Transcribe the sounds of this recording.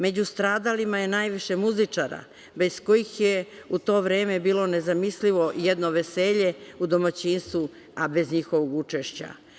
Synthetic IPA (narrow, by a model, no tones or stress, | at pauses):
me̞d͡ʑust̪ɾaːd̪alimaje̞naːjʋiʃe̞muzit͡ʂaɾa̰ | be̞sko̞jixjeut̪o̞ːʋɾe̞ːme̞biːlo̞ne̞zamisliʋo̞ʔijed̪noʋe̞se̞ːʎe̞ud̪o̞mat͡ɕinst̪ʋu | abe̞zɲixo̞ʋoɡut͡ʂeʃt͡ɕa̰